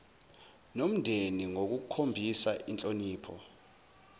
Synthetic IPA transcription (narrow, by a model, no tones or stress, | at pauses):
nom̩ndʱeniŋok̬uk̬kʰombʱisaʔint͡ɬʼoniːpʰɔ̰